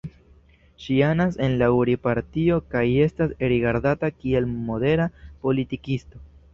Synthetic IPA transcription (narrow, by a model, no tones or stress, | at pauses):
ʃianase̞nlauɾipaɾtio̞kaje̞staseɾiɡaɾdatakie̞lmo̞de̞ɾapo̞litikisto̞